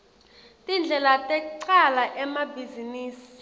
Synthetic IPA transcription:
tʼind͡ɮʱɛlatʼɛk̬ʼuǀalaʔɛmabʱiziniːsi̥

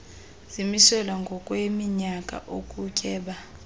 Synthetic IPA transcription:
z̥imisɛlwaŋɡʱɔkʼwemiɲakʼa̰ʔokʼukʼɛːɓa

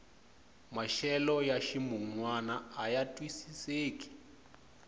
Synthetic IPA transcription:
maʃɛlɔjaʃimuŋwanaajatʼwisiseːkʼi̥

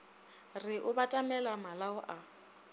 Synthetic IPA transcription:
rɪʔʊbatʼamɛlamalaʊʔa

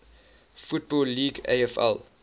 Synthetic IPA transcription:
fut̚bɔlːiːɡḛɪɛfɛ̰lˠ

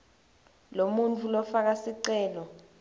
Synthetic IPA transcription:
lomunt͡fʰulɔfak̬asiǀɛːlɔ

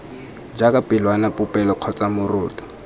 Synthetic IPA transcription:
d͡ʒakʼapʼɪlwanapʊpʼɛlɔq͡χʰɔt͡sʼamʊrʊːtʼɔ̥

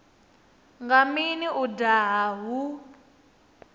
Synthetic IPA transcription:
ŋɡaminiudaɦaɦu

